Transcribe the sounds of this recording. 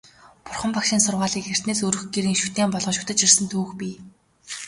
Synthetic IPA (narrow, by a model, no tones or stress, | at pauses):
pʊrχə̆mpakʃiːnsʊrʁaːɮiːkxer̥ʲt̪neːsɵɾɵ̆xɡeɾiːŋʃu̥t̪eːmpɔɮʁɞ̆ʃʊ̥t̪ə̆t͡ɕirsə̆nt̪ʰuːxpʲiː